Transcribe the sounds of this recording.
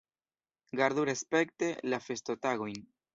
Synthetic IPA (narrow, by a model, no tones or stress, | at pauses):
ɡaɾðuɾespekt̪elafest̪ot̪aɣujŋ